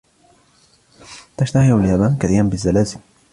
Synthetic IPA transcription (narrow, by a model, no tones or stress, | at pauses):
t̪aʃt̪ahialjabaːnkaθiːɾanbɪzːalaːzɪl